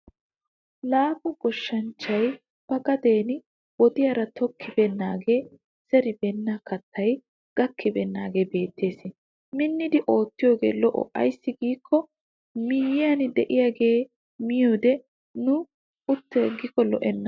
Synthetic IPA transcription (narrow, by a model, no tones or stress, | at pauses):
laːkʊɡɔʃːɐnt͡ʃːɐj | b̥ɐɡɐd̪e̞ːn | wɔd̪ɪjɐɾɐt̪ɔkʰːɪbɛnːaːɡe̞ː | sɛɾɪbɛnːɐkɐt̪ʰːɐj | ɡ̥ɐkʰːɪbɛnːaːɡe̞ːbe̞ːt̪ːe̞ːsɪ | mɪnːɪd̪ɪʔo̞ːt̪ːɪjo̞ːɡe̞̰ːlɔʔɔ̰ʔɐ̰jsːɪɡiːkʰːɔ | mɪjɪjɐnd̪ɛʔɪjaːɡe̞ː | mɪjoːd̪ɛ | nʊ | ʊt̪ːɛɡːɪkɔlɔʔɛnːɐ